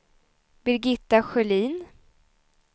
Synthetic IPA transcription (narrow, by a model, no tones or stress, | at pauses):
bɪɾɡɪt̪ːaɧœliːn